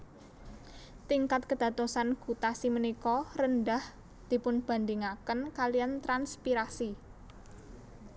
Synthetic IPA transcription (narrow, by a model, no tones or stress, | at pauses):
t̪iŋkat̪̚kəd̪̥ä̤t̪osanɡ̥ut̪asimənikɔrəndah | d̪̥i̤pʊnb̥a̤nd̪iŋakənkalijant̪ɾanspiɾasi